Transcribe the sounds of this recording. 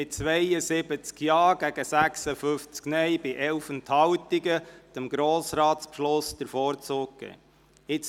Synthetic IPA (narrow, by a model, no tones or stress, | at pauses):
ɪt̚t͡sʋɛjəsɪbət͡skjɑːɡ̥æɡəsæksəfʏft͡sknɛjbɪʔɛlfənt̪hɑwt̪iɡət͡səmɡɾoːsɾɑːt̪spʃlʊsd̥̪əɾfɔːɾt͡sʊːk̚kɛ̰ | ɪt͡s